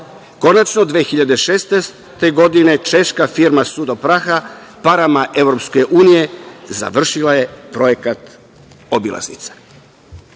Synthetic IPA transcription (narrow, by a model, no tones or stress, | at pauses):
ko̞nat͡ʃnod̪ʋexiʎad̪e̞ʃest̪es | t̪e̞ɡo̞d̪ine̞t͡ʃe̞ʃkafiɾmasud̪opɾaxapaɾamaʔe̞ʋɾo̞pske̞ʔuːnije̞za̰ʋr̩ʃilaje̞pɾo̞je̞kat̪ | obila̰znḭt̪sḁ